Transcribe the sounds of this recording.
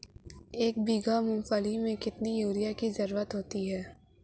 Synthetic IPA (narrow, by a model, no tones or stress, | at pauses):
eːk̚biːɡamʊ̃nfəlimẽkɪt̪nijuːɾijakizɐɾuːɾət̪ɦoːt̪iɦɛː